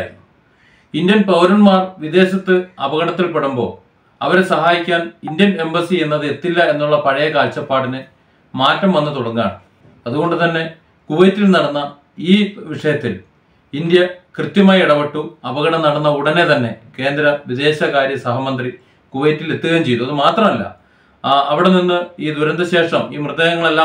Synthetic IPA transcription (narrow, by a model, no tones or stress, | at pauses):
ɾnːu | indjɐnpɐʋɐɾɐɳmaːrʋid̪e̞ːɕɐt̪ːɨɐbɐɣɐɳɐt̪ːilpeɽumbo̞̰ː | ɐ̰ʋɐɾesɐɦaːjikʲːaːnindjɐne̞mbɐsienːɐðɨe̞t̪ːilːɐe̞nːuɭːɐpɐɻɐjɐkaːlt͡ɕːɐpːaːɽinɨ | maːtːɐmʋɐnːɨt̪oɽɐŋːa̰ːɳɨ | ɐðuɣo̞ɳɖɨt̪ɐnːe̞ | kuʋejtːilnɐɽɐnːɐ | iːʋiʂɐjɐt̪ːil | ind̪jɐkrɨt̪jɐmaːjiɽɐʋeʈːuɐʋɐɣɐɽɐnɐɽɐnːɐuɽɐne̞t̪ɐnːe̞ke̞ːnd̪ɾɐʋid̪e̞ːɕɐkaːɾjɐsɐɦɐmɐnd̪ri | kuʋɐjtːile̞t̪ːuɣɐːmt͡ɕe̞jt̪ːuɐðɨmaːt̪rɐmɐlːɐ̰ | ɐʋiɽe̞ninːɨiːd̪uɾɐnd̪ɐɕe̞ːʂɐmiːmrɨd̪eːɣɐŋːɐɭe̞lːaː